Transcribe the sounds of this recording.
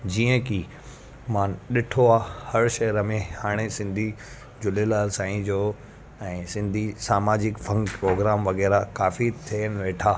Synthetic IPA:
d͡ʑiːə̃ki | mãːnɗɪʈʰoaːhɐɾʃɐɦɾəmẽhaːɽ̃esɪ̃nd̪ʱi | d͡ʑʊlelaːlsãːĩd͡ʑoː | ɛ̃ːsɪ̃nd̪ʱisaːmaːd͡ʑɪkfɐ̃ŋɡpɾoːɡɾaːmʋɐɣɛːɾakaːfit̪ʰiənɪ̆ʋeːʈʰaː

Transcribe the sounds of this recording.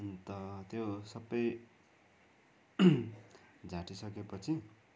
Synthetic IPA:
nt̪ʌt̪josʌbːʌj | d͡zʱãʈisʌkepʌt͡sʰi

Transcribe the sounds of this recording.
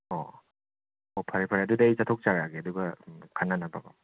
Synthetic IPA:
ɔ̰ | ɔpʰaɾipʰaɾadudait͡ʃatʰɔk̚t͡ʃaɾaɡeɐduɡakʰanːanaba̰ɡa̰

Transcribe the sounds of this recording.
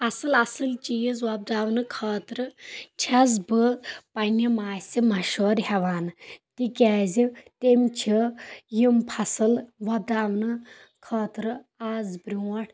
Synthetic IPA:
ɐsɨlɐsɨlt͡ʃijzʋɐb̚daːʋnɨkʰəːt̪ɾɨtʰɐzbɨpɐnʲimaːsʲimɐʃoːɾɦɐʋaːnɨtikʲaːzit̪emʲt͡ʃʰijimpʰɐsɨlʋɐb̚daːʋnɨ | kʰɐːt̪ɾɨ | aːzbɾiwɐʈʰ

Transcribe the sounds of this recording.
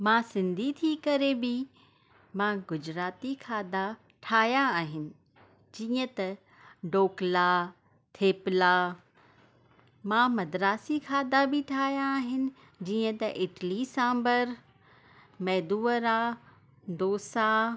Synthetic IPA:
mãsɪ̃nd̪ʱit̪ʰiːkɐɾebɪ | mãɡʊd͡ʑɾaːt̪ikʰaːd̪a | ʈʰaːɦjãaːɦɪnɪ̆ | d͡ʑiːə̃t̪ɐ | ɖoːkla | t̪ʰeːpla | mãmɐd̪ɾaːsikʰaːd̪abʱɪʈʰaːjãːɦɪnɪ̆ | d͡ʑiːə̃t̪ɐʔɪʈlisãːmbəɾ | mɛːd̪uːəɾa | d̪oːsa

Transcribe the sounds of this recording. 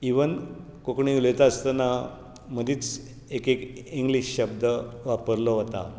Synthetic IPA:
iʋən | kokɳ̃ĩuləjt̪aəst̪əna | məd̪iːt͡s | ekekiŋɡliɕɕəb̚d̪əʋapəɾlɔɦot̪a̰

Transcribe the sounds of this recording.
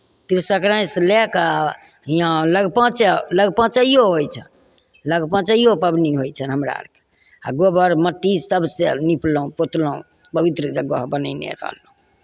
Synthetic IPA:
t̪ɾisəkɾãjsleka | ɦijãləɡpə̃t͡ʃeləɡpə̃t͡ʃəijoɦojt͡ʃʰən | ləɡpə̃t͡ʃəijopəbniɦojt͡ʃʰənɦəmɾa̰ɾke̥ | aɡobəɾməʈ̪ːisəbsenipləũpot̪ləṵ̃ | pəbit̪ɾəd͡ʒəɡoɦbənəɪnḛɾə̰ɦlũ

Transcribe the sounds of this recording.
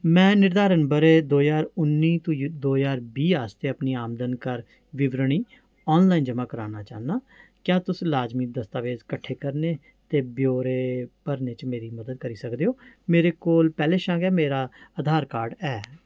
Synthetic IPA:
mɛ̃ːnɪɾd̪aːɾənbəɾeːd̪oːjaːɾʊnːiːt̪ːd̪oːjaːɾbiːaːst̪eːəpniːaːmd̪ənkəɾ | ʋɪʋɾəɳ̃iː | ɔːnlaːind͡ʒəmãːkəɾaːnaːt͡ʃa̰ːnaː | kjaːt̪ʊslaːd͡ʒmiːd̪əst̪aːʋeːzkəʈʰːeːkəɾneː | t̪eːbjoːɾeːpəɾneːt͡ʃmeːɾiːməd̪əd̪̚kəɾiːsəkd̪eːɦoːmeːɾeːkoːlpɛːleːʃãːɡɛːmeːɾaːəd̪ʱaːɾkaːɾɖɛː

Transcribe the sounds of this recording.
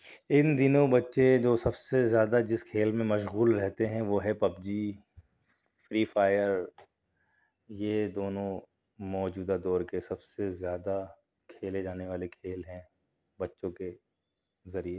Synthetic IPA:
ɪnd̪ɪnõbɐtːʃed͡ʒoːsɐbsezjaːd̪ad͡ʒɪskʰeːlmẽmɐʃɣuːlɾɛɦt̪eɦɛ̃ʋoːɦɛpɐbd͡ʒi | fɾiːfaːjəɾ | jed̪oːnõ | mɔːd͡ʒuːd̪ad̪ɔːɾkesɐbsezjaːd̪a | kʰeːled͡ʒaːneʋaːlekʰeːlɦɛ̃ | bɐtːʃõke | zɐɾie

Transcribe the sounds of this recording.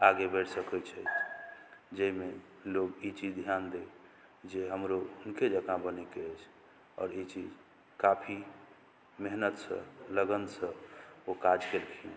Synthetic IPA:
aɡebeɽsəkət͡ʃʰət͡ʃʰ | d͡ʒəime | loɡit͡ʃid͡ʒd̪ʱjand̪e | d͡ʒeɦəmɾounked͡ʒəkãbənekeɛt͡ʃʰ | ɔ̰ːɾit͡ʃid͡ʒ | kapʰi | meɦnət̪sə̰̃ləɡənd̪sə̃okad͡ʒkelkʰiẽ

